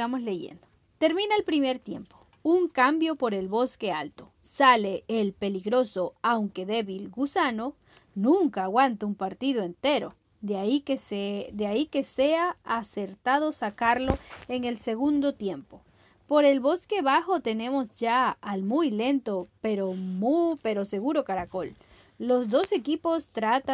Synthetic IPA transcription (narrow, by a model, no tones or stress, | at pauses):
amosleʝḛnd̪o | t̪e̞ɾmĩnaelpɾime̞ɾt̪je̞̰mpo̥ | uŋkambjo̞po̞ɾe̞lβo̞skealt̪o | saleːlpeliɣɾo̞soawŋke̞ðeβilɡusano̞ | nũŋkaːɣwant̪oumpaɾt̪ið̞oent̪eɾo̞̰ | aikesed̪eaikeseaːse̞ɾt̪að̞o̞sakaɾlo̞eŋe̞lse̞ɣ̞und̪o̞t̪je̞mpo̞ | po̞ɾe̞lβo̞ske̞βaxo̞t̪e̞nẽ̞mo̞zd͡ʒaalmujle̞nt̪o̞peɾomupeɾo̞se̞ɣuɾo̞kaɾako̞lː | o̞zd̪o̞se̞kipo̞st̪ɾat̪a